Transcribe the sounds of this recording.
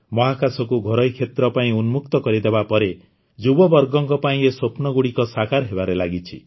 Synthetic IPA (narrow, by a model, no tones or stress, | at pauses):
mɔɦakasɔkuɡʱɔɾʌjkʰet̪ɾɔpaĩunmuk̚t̪ɔkɔɾid̪ebapɔɾe | d͡ʒubɔbɔɾɡɔŋkɔpaĩesopnɔɡuɽikɔsakaɾɦebaɾelaɡit͡ʃʰḭ